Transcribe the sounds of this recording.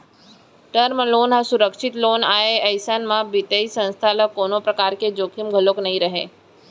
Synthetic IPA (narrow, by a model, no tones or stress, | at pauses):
ʈəɾmloːnɦasʊɾəkʃɪt̪loːnaːeɐsənmãbɪt̪eisə̃nst̪ʰaləkoːnõpɾɐkaːɾked͡ʒoːkʰimɡʱəloknɐɦĩɾɐɦḛː